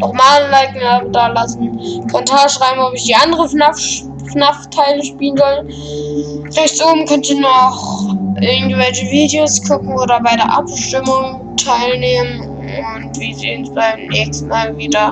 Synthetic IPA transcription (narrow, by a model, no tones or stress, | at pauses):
ʔɔʊmaːnlaɪtŋ̩aːbdalasn̩kʰɔntʰaːɐʃʁ̥aɪbmɔpɪçd̥iːʔandəʁəa | fnaftʰaɪləʃpiːlənzɔlə | ʁɛçtoːbm̩kʰœntɪnɔχʔɪɐɡŋ̩tvɛlçəviːdeoskʰʊkŋ̩oːdɐbaɪdeːɐʔapʃtɪmʊŋ | tʰaɪlneːmən | ʊntv̥iːzeːnsb̥aɪmnɛːçstn̩maːlviːdɐ